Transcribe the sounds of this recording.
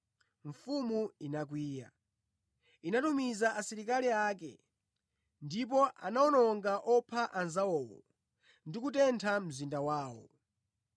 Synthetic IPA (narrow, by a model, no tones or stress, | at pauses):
ɱ̩fumuinak̬wiːja̰ | inatumizaʔasiɾik̬aliaːkɛ̰ | ndip̬ɔʔanaɔnɔŋɡaʔɔpʰaʔanzawɔːwɔ̰ | ndikutɛntʰam̩zindawaːwɔ̰